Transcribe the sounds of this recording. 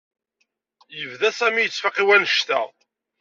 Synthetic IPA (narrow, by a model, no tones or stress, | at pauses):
jəvðæsæmijət͡sːfaqiwænəʃt̪æ̰